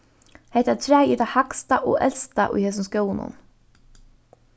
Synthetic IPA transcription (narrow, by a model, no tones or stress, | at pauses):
heht̪at̪ʰɾæːjit̪ahakst̪aʔɔ̰ːʔɛlst̪a̰ʔʊ̰jhɛːs̬ʊmskjoːwnʊ̰n